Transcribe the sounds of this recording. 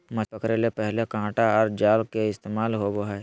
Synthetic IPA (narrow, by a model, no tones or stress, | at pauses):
mɐsəkɾelepɛɦlekãːʈaɔɾd͡ʒaːlkeɪst̪eːmaːlɦoboɦɛː